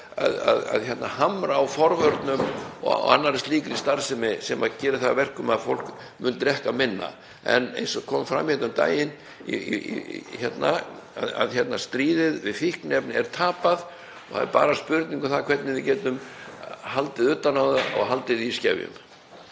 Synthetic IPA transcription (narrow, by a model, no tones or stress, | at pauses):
a̰ðaða̰ðçɛt̪nahamɾaːwfɔɾvœɾt̪nʏmɔ̰a̰nːaɾst̪liːkɪɾist̪aɾsɛmɪsɛmaðcɛːɾɪθavɛr̥kʏmaðfol̥k | mʏnt̪ɾɛhkamɪnːa̰ | ɛ̰nḛjnsɔkʰɔːmfɾa̰mːihɛt̪mt̪a̰ːjɪn | ḭ | çɛt̪naaðaðçɛt̪nast̪ɾiːðɪðvɪðfihknɛpnɪɛɾ̥t̪ʰaːpað | ɔha̰ðɛ̰ɾpa̰ːɾaspʏɾt̪niŋkʏθakʰvɛt̪nɪvɪcɛːt̪ʏm | halt̪ɪðʏt̪ːanawðaʔɔ̰ɣɦalt̪ɪðiscɛvjʏ̰m